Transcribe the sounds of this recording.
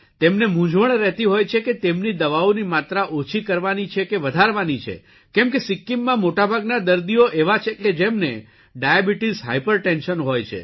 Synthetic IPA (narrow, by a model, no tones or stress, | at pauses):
t̪emnemũd͡ʒʋəɳɾɛɦt̪iɦojt͡ʃʰeket̪emnid̪əʋaonimat̪ɾaʔot͡ʃʰikəɾʋanit͡ʃʰekeʋəd̪ʱaɾʋanit͡ʃʰḛ | kɛmkesɪkːimːãmoʈabʱaɡnad̪əɾd̪ioʔeʋat͡ʃʰeked͡ʒemne | ɖajabiʈizɦa̰jpəɾʈɛnʃənɦojt͡ʃʰḛ